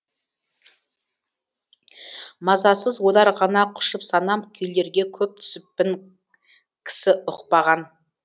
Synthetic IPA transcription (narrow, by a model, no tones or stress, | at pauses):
mɑzɑsəzwo̞lˠɑɾʁɑnɑqʰʊ̥ʃəpsɑnɑmkʲʰʏjle̞ɾɡʲe̞kʲʰɵp̚t̪ʰʏ̥sɪpːɪŋ | kʲʰɪ̥sɪʔʊqpɑʁɑn